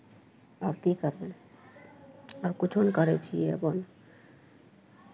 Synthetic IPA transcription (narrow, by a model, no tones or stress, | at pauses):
aɾkikaɾbe | aɾkut͡ʃʰonkɔɾet͡ʃʰḭḛbon